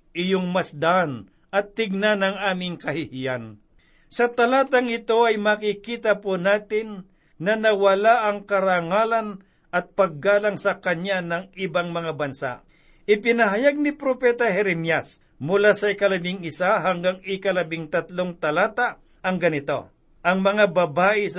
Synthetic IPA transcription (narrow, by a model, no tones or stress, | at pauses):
ʔɪjoŋmɐsd̪ɐʔan | ɐt̪ːɪɡ̚nanɐŋaːmɪŋkɐhɪhijan | sɐt̪ɐlaːt̪ɐŋɪt̪o̞ɐjmakɪkiːt̪ɐponaːt̪ɪnː | ɐnɐwɐlaʔɐŋkɐɾaŋaːlɐn | ɐt̪̚pɐɡ̚ːaːlɐŋsɐkɐɲanɐŋɪbaŋmɐŋabɐnsa̰ʔ | ʔɪpɪnɐɦɐjaɡ̚nɪpɾopɛt̪ɐhɛɾɛmjas | mʊlasɐɪkɐlɐbɪŋɪsaɦaŋɡaŋɪkɐlɐbɪŋt̪ɐt̪loŋt̪ɐlaːt̪a | ʔɐŋɡɐnɪt̪o̞̰ | ʔɐŋmɐŋabɐbaːʔɪs